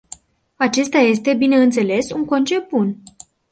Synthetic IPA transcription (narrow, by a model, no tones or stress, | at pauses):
at͡ʃe̞st̪aje̞st̪e̞bine̞ɨnt̪se̞le̞suŋko̞nt͡ʃe̞bun